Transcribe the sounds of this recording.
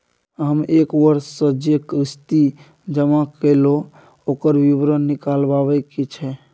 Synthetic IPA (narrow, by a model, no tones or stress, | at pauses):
ɦəmekwəɾsəd͡ʒjəkɾist̪i | d͡ʒəmakəlo | okəɾbiβɾənːikalbabɛket͡ʃʰɛ